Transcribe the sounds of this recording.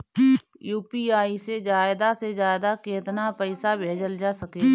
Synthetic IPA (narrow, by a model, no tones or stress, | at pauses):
juːpiaːised͡ʒaːɪd̪ased͡ʒaːɪd̪akeːt̪napəɪsabʱeːd͡ʒəld͡ʒaːsɐke